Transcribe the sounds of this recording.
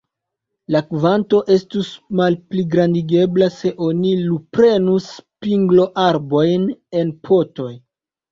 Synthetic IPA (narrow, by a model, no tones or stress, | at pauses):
lakvanto̞ʔe̞stusmalpliɡɾandiɡe̞blase̞ʔo̞nilupɾe̞nuspiŋɡlo̞ʔaɾbo̞jne̞npʰo̞to̞j